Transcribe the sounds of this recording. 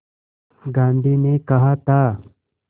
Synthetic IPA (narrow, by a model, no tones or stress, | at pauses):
ɡãːnd̪ʱiːnekɐɦat̪a